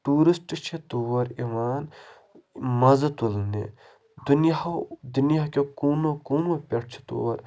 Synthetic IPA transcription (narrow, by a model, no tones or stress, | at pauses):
ʈuːɾisʈt͡ʃʰet̪uwɐɾiʋaːn | mɐzɐt̪ulnḛ | d̪unjad̪unjakekuːnokoːnopʲeʈ̚ʰt͡ʃʰi̥t̪ṵːwɐɾ